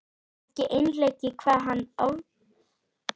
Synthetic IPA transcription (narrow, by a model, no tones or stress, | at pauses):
ɛcɪʔejnlecɪkʰvaːɦanːow